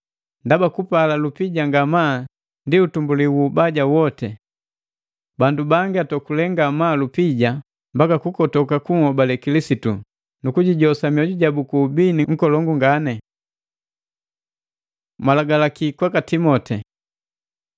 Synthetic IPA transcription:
ndabakupalalupiɟaŋɡama | ndiutumbuliwubaɟawɔtɛ | bandubaŋɡiatɔkulɛŋɡamaːlupiɟa | mbakakukɔtɔkakuŋɔbalɛkilisitu | nukuɟiɟɔsamiɔɟuɟabukuːbiniŋ̩kɔlɔŋɡuŋɡanɛ | malaɡalakikwakatimɔtɛ

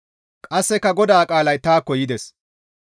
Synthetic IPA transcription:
kʼɐsːɛkːɐɡɔd̪aːkʼaːlɐjt̪aːkːɔjɪd̪ɛs

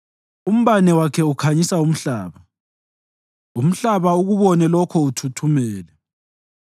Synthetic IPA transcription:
um̩βanɛwakʰɛukʰaɲisaum̩ɬaːβa | um̩ɬaβauɣuβɔnɛlɔkʰɔutʰutʰumɛːlɛ

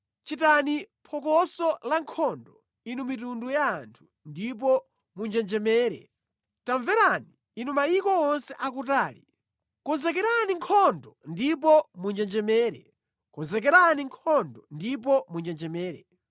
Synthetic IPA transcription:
t͡ʃitani | pʰɔk̬ɔsɔlaŋkʰɔndɔ | inumitundujaːntʰu̥ | ndip̬ɔ | mund͡ʒɛnd͡ʒɛmɛːɾɛ̰ | taɱvɛɾaniːnumaikɔɔnsɛʔakutaːlḭ | kɔnzɛk̬ɛɾaniŋkʰɔndɔndipɔmund͡ʒɛnd͡ʒɛmɛːɾɛ̰ | kɔnzɛk̬ɛɾaniŋkʰɔndɔndip̬ɔmund͡ʒɛnd͡ʒɛmɛːɾɛ

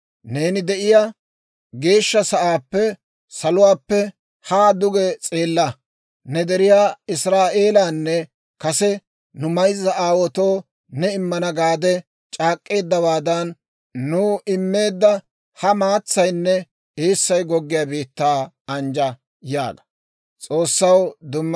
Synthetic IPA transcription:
ne̞ːnɪd̪ɛʔɪja | ɡe̞ːʃːɐsɐʔaːpːɛ | sɐlʊwaːpːɛ | haːd̪ʊɡɛt͡sʼe̞ːlːɐ | nɛd̪ɛɾɪjaːɪsɾaːʔe̞ːlaːnːɛ | kɐsɛ | nʊmɐjzːɐaːwɔt̪oː | nɛɪmːɐnɐɡaːd̪ɛ | t͡ʃʼaːkʼːe̞ːd̪ːɐbaːd̪ɐnː | uːʔɪmːe̞ːd̪ːɐ | hɐmaːt͡sːɐjnːɛ | eːsːɐjɡɔɡːɪjaːbiːt̪ːaː | ɐnd͡ʒɐ | ja̰ːɡɐ̥ | t͡sʼo̞ːsːɐwd̪ʊmː

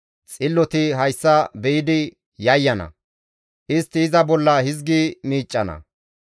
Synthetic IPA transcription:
t͡sʼɪlːɔt̪ɪɦɐjsːɐbɛjɪd̪ɪ | jɐjːɐnɐ̰ | ʔɪst̪ːɪːzɐbɔlːɐhɪzɡimiːt͡ʃʼːɐnɐ̰

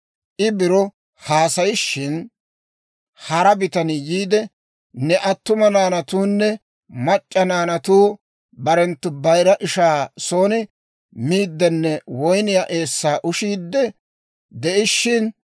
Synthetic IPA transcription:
ʔɪbɪɾɔ | haːsɐjɪʃːɪn | hɐɾɐbɪt̪ɐnɪjiːd̪ɛ | nɛʔɐt̪ːʊmɐnaːnɐt̪uːnːɛ | mɐt͡ʃʼːɐnaːnɐt̪uː | bɐɾɛnt̪ːʊbɐjɾɐʔɪʃaːsoːnɪ | miːd̪ːɛnːɛwɔjnɪjaʔe̞ːsːaːʔʊʃiːd̪ːɛ | d̪ɛʔɪʃːɪn

